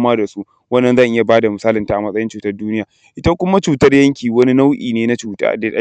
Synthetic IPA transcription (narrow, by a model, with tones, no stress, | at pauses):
maː˦da˨su˦ʔ | wɐ˦nːɐ˨nza˦˨nʔɪ˦ja˨baː˦da˨mʊ˨saː˦lɪ˨ntaː˨ʔa˨mɐ˦sʼɐ˦jɪ˦nt͡ʃuː˨tɐ˦rduː˦nɪ˦jaː˨ | ʔɪ˦ta˦kʷʊ˦ma˦t͡ʃuː˨tɐ˦rjɐ˦ŋkʲiː˨wɐ˦ni˦na˦wʔḭː˨neː˦na˦t͡ʃuː˨ta̰ː˦da˨a˦